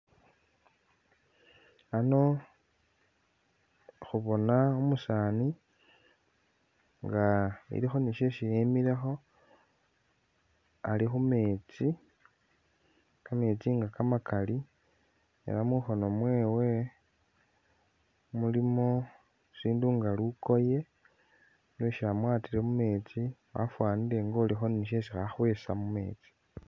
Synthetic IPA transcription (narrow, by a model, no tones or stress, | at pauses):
ano̞ | xuβo̞naomusaːni | ŋɡaḭɾixo̞niʃeʃijemiɾe̞xo̞ | alixume̞ːt͡si | kame̞ːt͡siŋɡakamakali | ḛɾamuxo̞no̞mwe̞ːwe̞ | mulimo | siːnduːŋɡaluko̞je̞ | leʃamwaːtiɾemume̞ːt͡siwa̰fwaːniɾe̞ŋɡo̞ːlixo̞niʃ̬eʃixaxwe̞ːsamume̞̰ːt͡si̥